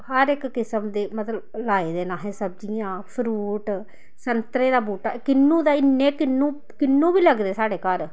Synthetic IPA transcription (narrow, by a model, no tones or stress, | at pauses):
ɦəɾɪkːɪsəmd̪eːmət̪ləblaːeːd̪eːnãːɦɛːsəb̚d͡ʒiːãːpʰɾuːʈ | sənt̪ɾeːd̪aːbuːʈaːkɪnːũːd̪aːɪnːẽːkɪnːũː | kɪnːũːbiːləɡd̪eːsaːɽeːkəɾ